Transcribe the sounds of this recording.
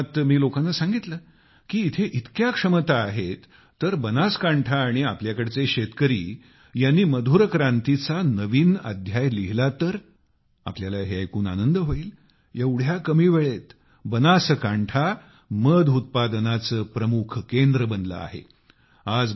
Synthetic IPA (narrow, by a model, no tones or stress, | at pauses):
t̪miːlokanːasãŋɡit̪ləː | kiːt̪ʰeʔit̪kjakʂəmət̪aːɦet̪ː | əɾbənaskaɳʈʰaːɽ̃iapljakəɽet͡seɕet̪kəɾḭː | janːiːməd̪ʱuɾəkɾant̪it͡sanəʋiːna̰d̪ʱjajliɦlat̪əɾ | a̰pljalaɦeajkuːna̰nənd̪əɦoiːl | ewɽ̤jakəmiːʋeɭet̪ | bənasəkaɳʈʰa | məd̪ʱut̪̚pad̪ənat͡səːpɾəmukʰkend̪ɾəbənd̪lə̰a̰ɦḛ | ad͡z